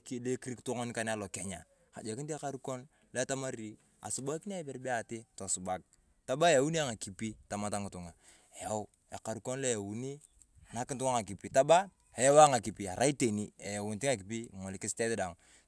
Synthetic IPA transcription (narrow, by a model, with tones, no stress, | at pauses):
ki˦˨le˦ki˦ɾi˦kto˦ŋo˦n˦ka˨n˦a˦lo˨ke˨ɲa˨ | ka̰˨d͡ʒe˨ki˦nti˦a˦ka˦ɾu˦ko˦n | le˦ta˦ma˦ɾi˨ | a̰˨su˨ba˦ki˦n˦a˦bɛ˨ɾbɛ˦a˨ti˦to˨su˨ba˨k̚ | ta˦ba˦ja˨wu˦ni˦a˦ŋa˨ki˨pi˦ta˨ma˨˦ta˦ŋu˨tu˨ŋa˨ | e˨ja˦w | e˨ka˨ɾu˨ko˦nle˦ja˨wu˨˦ni˦ | a˨na˦ki˦ntu˦ŋa˦ŋa˨ki˨pi˨ta˦ba˦ | e˨ja˦wa˦ŋa˨ki˨pi˨a˨ɾa˦i˦te˨ni˦e˨ja˨wu˨nti˦ŋa˨ki˨pi˦˨ŋɔ˨li˨ki˦ste˦tda˨ŋ